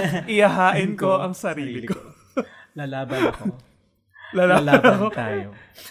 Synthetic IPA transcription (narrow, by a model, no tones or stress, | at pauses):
ʔɪjɐɦaːʔɪnkoʔɐŋsɐɾiːlɪko | lalaːbɐn | lalaːlːt̪aːjo